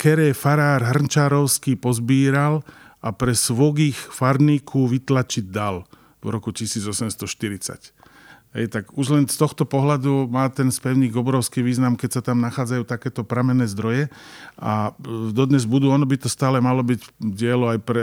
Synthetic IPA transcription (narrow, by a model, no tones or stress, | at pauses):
kɛɾɛːfaɾaːɾɦr̩nt͡ʃaːɾɔʊskiːpɔzbiːɾal | ʔapɾɛsʋɔɡiːxfaɾniːkʰuʋit̪lat͡ʃid̚d̪al | vɾɔkucisiːd͡zɔsɛmst̪ɔʃt̪iɾit͡sa̰c | ɦɛ̰jt̪aɡuʒlɛnst̪ɔxt̪ɔpɔɦlad̪umaːt̪ɛnspɛʊɲiːɡɔbɾɔʊskiːʋiːznamkɛcsat̪amnaxaːd͡zajuːt̪akɛːt̪ɔpɾamɛnɛːzd̪ɾɔjɛad̪ɔd̪ɲɛzbud̪uːɔnɔbit̪ɔst̪aːlɛmalɔbicɟɪɛlɔajpɾɛ